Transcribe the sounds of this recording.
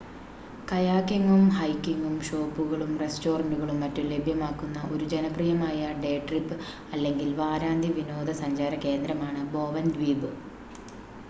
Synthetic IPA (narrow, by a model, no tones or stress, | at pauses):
kɐjaːkjiŋɡumhɐjkːiŋɡumɕo̞ːpːuɣɐɭumre̞sto̞ːrɐɳɖuɣɐɭumːɐtːumle̞bʱjɐmaːkːunːɐʔo̞ɾud͡ʑenɐprijɐmaːjɐɖe̞ːʈripːɨ | ɐlːe̞ŋɡilʋaːɾaːnd̪ʱiʋino̞ːd̪ʱɐsɐɲd͡ʑaːɾɐke̞ːnd̪ɾɐmaːɳɨbo̞ːʋɐnd̪ʋiːbɨ